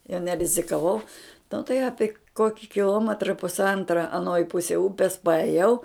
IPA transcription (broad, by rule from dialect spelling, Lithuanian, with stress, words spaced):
jɛʊ nʲɛrʲɪzʲɪkɐˈʋɐʊ nʊ tɐɪ ˈɑːpʲɪ ˈkoːkʲɪ kʲɪˈlˠoːmʲɛtrɐ pʊsˈɐntrɐ ɐˈnoːj ˈpʊsʲɛj ˈʊpʲɛs pɐɛˈjɛʊ